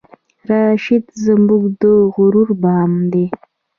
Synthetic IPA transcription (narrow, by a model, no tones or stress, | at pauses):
ɾɑːʃɪd̪zambuɡd̪əɣʊɾuɾbɑːmd̪e